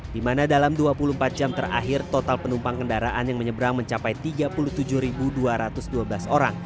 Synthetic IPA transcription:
dimanadalamduapuluhmpat̪̚d͡ʒamt̪əra̰ɦɪrt̪ot̪alpənumpaŋkəndaɾaʔanjaŋməɲəbəɾaŋməɲt͡ʃapajt̪iɡapuluht̪ud͡ʒuhɾibuduaɾat̪ʊsduabəlasoɾa̰ŋ

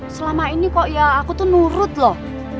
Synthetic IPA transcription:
səlamainikɔʔijaakut̪unuɾʊt̪̚lɔ

